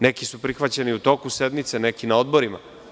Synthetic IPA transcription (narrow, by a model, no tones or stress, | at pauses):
nekisupɾixʋat͡ɕe̞niut̪o̞kuse̞d̪mit̪se̞nekinao̞d̪boɾima̰